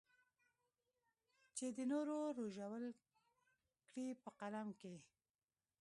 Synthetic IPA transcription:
t͡ʃed̪ənoɾoɾoʒawəl | kɽipəqalamke

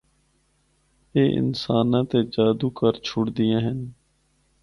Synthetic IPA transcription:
eːʔɪ̰nsaːnãːt̪ed͡ʒaːd̪uːkəɾt͡ʃʰʊɽd̪ɪjãːɦən

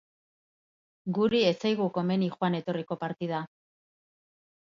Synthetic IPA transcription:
ɡuɾie̞t͡sajɣuko̞me̞nixwane̞t̪o̞riko̞paɾt̪ið̞a

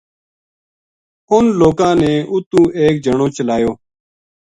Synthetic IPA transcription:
ʊnloːkãːnẽːʔʊt̪ũːʔeːk̚d͡ʒəɳõːt͡ʃəlaːjoː

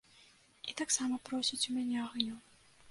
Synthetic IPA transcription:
it̪aksamɐpɾɔsʲit͡sʲumʲanʲɛaɣnʲu

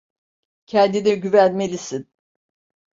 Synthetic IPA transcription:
cʰɛnd̪inɛɟyvænmelʲisin

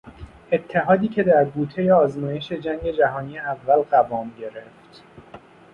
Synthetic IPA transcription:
e̞t̪ʰːe̞ɦɒːd̪iːcʰe̞d̪æɾɡuːt̪ʰe̞jeɒːzmɒːje̞ʃe̞d͡ʒæŋɟe̞d͡ʒæɦɒːniːeævːælɢævɒːmɟe̞ɾe̞ft̪

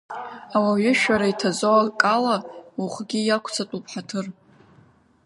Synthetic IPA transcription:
awaɥɪʃᶣaɾaitʰazowakʼalauχʷɡʲijakʷʰt͡sʰatʼupʰħatʰɨr

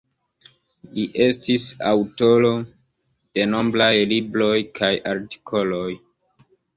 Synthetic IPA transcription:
liʔe̞stisawto̞lo̞ | d̥e̞no̞mblajlibɾo̞jkʰajaɾti̥kʰo̞lo̞j

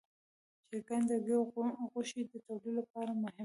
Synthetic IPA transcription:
t͡ʃeɡand̪aɡeɣʊʃid̪ət̪awlilap̚ɑɾamʊhɪ

